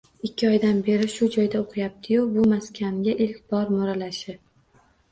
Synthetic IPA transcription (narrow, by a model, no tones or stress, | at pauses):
ɪkʲːɪɒjd̪anbe̞ɾɪʃʊd͡ʒɒjd̪aoqʰɨjap̚t̪ʰɪjʊbʊmaskʲʰanɡʲaʔɪlkʲbɒɾmɒɾalaʃɪ